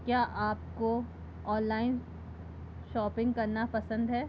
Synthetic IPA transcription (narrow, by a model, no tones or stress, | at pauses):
kjaːʔaːp̚ko | ɔːnlaːɪn | ʃɔːpɪ̃ŋɡkɐɾnapɐsə̃nd̪ɦɛː